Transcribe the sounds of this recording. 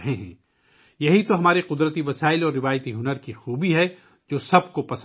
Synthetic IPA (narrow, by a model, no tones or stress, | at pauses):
ɦeɦɛ̃ː | jɐɦit̪oɦɐmaːɾeqʊd̪ɾət̪iʋɐsaːɪlɔːɾːɪʋaːjt̪iɦʊnəɾkixuːbiɦɛ | d͡ʒoːsɐbkopɐs